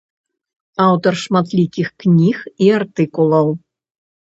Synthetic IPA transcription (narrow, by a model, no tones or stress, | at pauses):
ɑwt̪orʂmɑt̪lʲikʲixknʲixiart̪ikulˠɤw